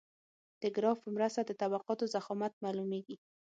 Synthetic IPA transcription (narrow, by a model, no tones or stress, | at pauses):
d̪̥əɡɾɑfpəmɾast̪ad̪ət̪abaqɑt̪ozaxɑmat̪̚malumeɡi